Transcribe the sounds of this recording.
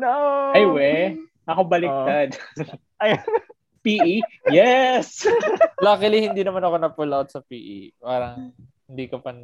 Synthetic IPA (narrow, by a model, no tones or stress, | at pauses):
noɐjwɛ | ɐkobɐlɪt̪ad̪ | ɐj | piːʔijɛslɐkɪlɪhɪnd̪iːnɐmanɐkonɐpulawt̪̚sɐpiːʔḭpaːɾɐŋ | hɪnd̪iːkɐpɐn